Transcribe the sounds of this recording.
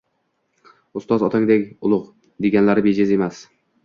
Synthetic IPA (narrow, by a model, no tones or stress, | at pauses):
ʊst̪ɒzɒt̪ʰaŋd̪ekʲʊlˠʊq | d̪eɡʲanlaɾɪbed͡ʒeze̞mas